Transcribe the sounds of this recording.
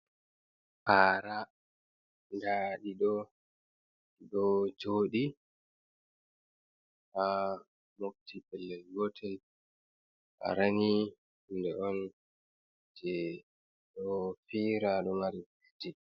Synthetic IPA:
ʔaɾa | ndaɗiɗɔ | ɗɔd͡ʒoːɗi | ʔa | moftʰibɛlːɛlɡɔtʰɛl | ʔa̰ɾani | ndɛɔn | d͡ʒɛ | ɗɔfiɾaɗɔmaɾifud͡ʒɛ

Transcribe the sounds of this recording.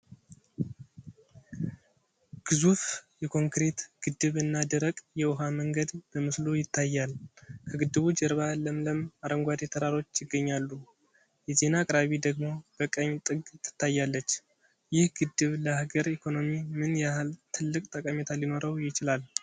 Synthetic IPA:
ɡ̥ɨzufjɛkʰo̞ŋkɾe̞t̪ɡ̥ɨd̪ɨβɨnːad̪ɨɾəkʼjɛwʊɦaməŋɡəd̪b̥əmɨslujɪt̪ʰːajːalkʰəɡɨd̪ːɨβud͡ʒəɾβaləmləmaɾəŋɡʷad̪et̪ʰəɾaɾo̞t͡ʃːjɪɡːəɲːalːu | jɛze̞nakʼɾaβid̪əɡmo̞b̥əkʼəɲt̪ʼɨɡt̪ʰːɨ̥t̪ʰːajːalːət͡ʃː | jɪhɡɨd̪ːɨβləaɡəɾikʰo̞no̞mimɨnjahalt̪ʰɨlːɨkʼt̪ʼəkʼəmet̪ʰalino̞ɾəwjɪt͡ʃɪlal

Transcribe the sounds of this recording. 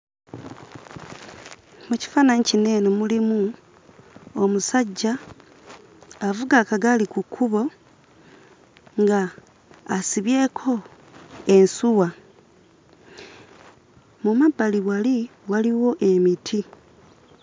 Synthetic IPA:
muci̥fanaɲicine̞nomulimu | omusaɟːa | vuɡakaɡalikukʰuβo̞ | ŋɡaː | siβje̞kʰo̞ | e̞nsuwa | mumabaliβwaliwaliwo̞ʔe̞mitʰi

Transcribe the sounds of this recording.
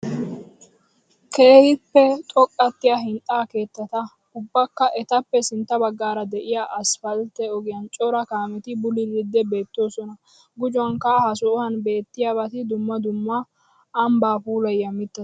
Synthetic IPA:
kʰe̞ːhɪpːɛt̪ʼɔkʼːɐt̪ːɪjaɦɪnt̪ʼaːke̞ːt̪ːɐt̪ɐ | ʊbːɐkːɐʔɛt̪ɐpːɛsɪnt̪ːɐbɐɡːaːɾɐd̪ɛʔɪjaʔɐsfɐlt̪ːɛɔɡɪjɐnt͡ʃʼɔɾɐkaːmɛt̪ɪbʊlɪlɪd̪ːɛbe̞ːt̪ːo̞ːsɔnɐ | ɡʊd͡ʒɔwɐŋkahɐsɔɔhɐnbe̞ːt̪ːɪjabɐt̪ɪd̪ʊmːɐd̪ʊmːaː | mbaːpuːlɐjːɐmɪt̪ːɐ

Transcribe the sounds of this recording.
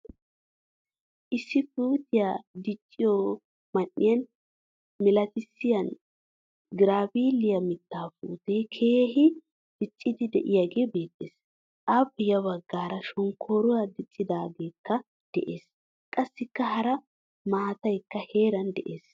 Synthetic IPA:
ʔɪsːɪfuːt̪ɪjad̪ɪt͡ʃʼːɪjo | mɐnːɪjɐn | mɛlɐt̪ɪsːɪjɐn | ɡɪɾaːbiːlɪjɐmɪt̪ːaːfṵːt̪ekʰe̞ːhɪ | d̪̥ɪt͡ʃʼːɪd̪ɪd̪ɛ̰ʔɪjaɡe̞ːbe̞ːt̪ʼːeːs | ʔabɪjɐβɐɡːaːɾɐʃɔŋkʰːoːɾʊɐd̪ɪt͡ʃʼːɪd̪aːɡe̞ːkːɐ | d̪̥ɛ̰ʔe̞ːs | kʼɐsːɪkːɐɦɐɾɐ | maːt̪ɐjkːɐhe̞ːɾɐnd̪ɛ̰ʔe̞ːs

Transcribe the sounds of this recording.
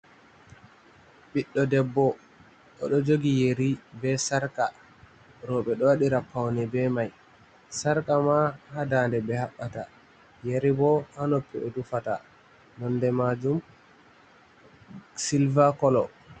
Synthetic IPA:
ɓiɗːɔdɛbːɔ | ɗɔ̰ɗɔd͡ʒoɡijeɾibɛsaɾka | ɾɔɓɛɗɔwaɗiɾapːawnɛbɛmaj | saɾkamahadandɛbɛhaɓːata | jeɾibɔhanopːɛɗɔdufata | nɔndɛmad͡ʒum | silvakɔlɔ

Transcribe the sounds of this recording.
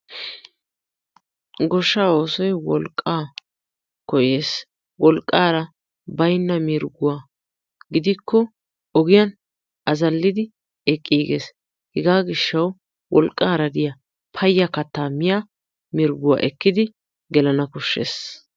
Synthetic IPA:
ɡɔʃːaːoːsɔjwɔlkʼːaː | kɔjeːs | wɔlkʼːaːɾɐ | bɐjnːɐmɪɾɡʊwaː | ɡɪd̪ɪkːɔ | ɔɡɪjɐn | ɐzɐlːɪd̪ɪ | ɛkʼːiːɡḛːs | hɛɡaːɡɪʃːɐw | wʔɔlkʼːaːɾɐd̪ɪjɐ | pʰɐjːɐkɐt̪ːaːmɪja | mɪɾɡʊwa̰ːʔɛkːɪd̪ɪ | ɡɛlɐnɐkɔʃːḛːs

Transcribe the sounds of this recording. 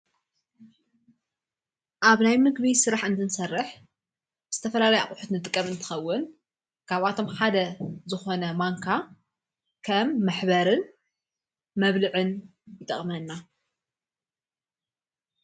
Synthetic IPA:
ʔaβnajmɨɡβisɨɾaħɨnd̪ɨnsɐrːɨħ | bɨz̥ɨt̪ʰɐfɐlalɐja̰ʔʼħut̪nɨt̪ʼɨkʼːɐmɨnt̪ʰɨ̥xɐwːʊn | kʰaβat̪ʰo̞mħad̪ɐzɨxo̞nɐmaŋkʰa | kʰɐmːaħbɐɾɨn | mɐβlɨʕɨnjɪt̪ʼɨχʼmɐnːa

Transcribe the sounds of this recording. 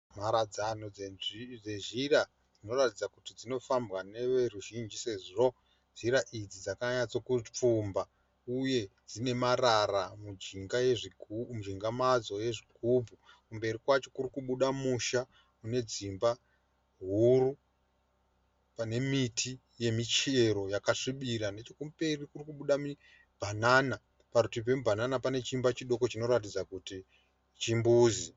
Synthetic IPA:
maɾad͡zanoed͡zeʐira | d͡zino̞ratid͡zakutid͡zino̞fambwane̞ʋeruʒind͡ʒise̞ʐʐo | z̥iɾaʔid͡zid͡zakaɲad͡zo̞kup͡fumba | uje̞d͡zine̞mararamuiŋɡajeʐimuʒiŋɡamad͡zo̞je̞ʐiɡ̥ʱubʱu | kumbe̞rikwat͡ʃo̞kurikuɓuɗamuʃa | une̞d͡zimba | ɦuru | pane̞mitʰi | je̞mit͡ʃe̞ɾo̞jakaʂiɓiɾane̞t͡ʃo̞kumbe̞rikurikuɓuɗami | b̥ʱanana | paɾutip̬wemubʱananapane̞t͡ʃimbat͡ʃiɗo̞ko̞t͡ʃino̞ɾat̬id͡zakuti | t͡ʃimbuːzi

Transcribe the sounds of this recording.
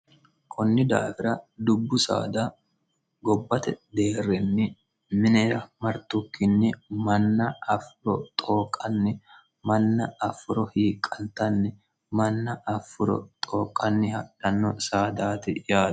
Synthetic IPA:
kʰɔnːɪd̪a̰ːfɪɾɐd̪ʊbːʊsa̰ːd̪aː | ɡɔbːɐt̪ɛd̪eːrːɛnːɪ | mɪnɛɾɐmɐɾt̪ʊkːɪnːɪmɐnːɐɐfʊɾɔt̪ʼoːkʼːɐnːɪ | mɐnːɐɐfʊɾɔhiːkʼːɐnt̪ɐnːɪ | mɐnːɐʔɐfːʊɾɔ̰t̪ʼoːkʼːɐnːɪhɐᶑɐnːɔsaːd̪aːt̪ɪjaːd̪

